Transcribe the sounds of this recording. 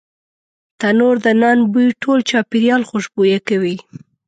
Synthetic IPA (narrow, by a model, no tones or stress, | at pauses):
t̪anoɾd̪ənɑnbujʈʰolt͡ʃɑpiɾjɑlxʊʃbujakawi